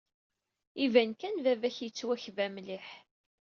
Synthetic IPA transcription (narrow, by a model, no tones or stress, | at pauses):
ivænkænvævæçjət͡sːwæçvæmliħ